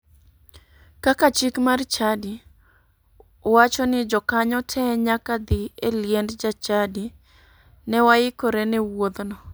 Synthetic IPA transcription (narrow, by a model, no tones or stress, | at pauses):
kakat͡ʃikmart͡ʃadi | wat͡ʃɔnɪd͡ʒɔkaɲɔtʰɛɲakad̪ɪeljendd͡ʒat͡ʃadi | nɛwaɪkoɾɛnɛwod̪nɔ